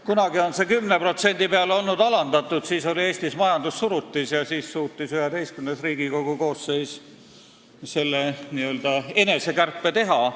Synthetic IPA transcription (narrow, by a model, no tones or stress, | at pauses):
kunɑɡio̞nse̞kymnepro̞t̪se̞nʲd̪̥ipeɑlo̞lnud̪ɑlɑnd̪ɑt̪ːˑud̪̥siːso̞lie̞ːst̪ismɑjɑnd̪usːuɾut̪ːisjɑsiːssuːt̪ːˑisyhed̪e̞jst̪kymnesriːɡikoɡ̥uko̞ːsːe̞js | se̞lːeniø̞ld̪̥ɑe̞ne̞se̞kærpːˑe̞t̪e̞ɦɑ